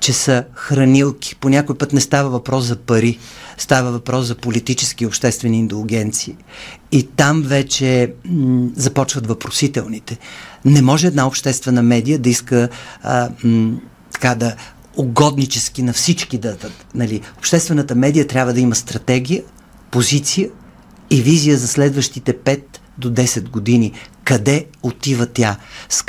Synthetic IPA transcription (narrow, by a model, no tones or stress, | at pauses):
t͡ʃɛsəxɾɐnilˠkʲi̥ponʲakojpɤt̪nɛst̪avəvɐpɾɔszɐpɐɾist̪avəvɐpɾɔszɐpolit̪it͡ʃɛsk̟iopʃt̪ɛst̪vɛniːnt̪ɛlɡʲɛnt̪siiː | t̪amvɛt͡ʃɛ | zɐpɔt͡ʃvɐt̪vɐpɾosit̪ɛlˠnit̪ɛnɛmɔʒɛːd̪naopʃt̪ɛst̪vɛnəmɛd̪ijəd̪ɐiskə | t̪ɐ̥kad̪ɐ | oɡɔd̪nit͡ʃɛsk̟inɐfsit͡ʃkid̪ɐd̪ət̪nɐliopʃt̪ɛst̪vɛnət̪əmɛd̪ijət̪ɾʲabvəd̪ɐiməst̪ɾɐt̪ɛɡʲijə | pozit̪sijə | ivizijəzɐslɛd̪vəʃt̪it̪ɛpɛt̪ | d̪od̪ɛsɛt̪ɡod̪inikɐd̪ɛot̪ivət̪jas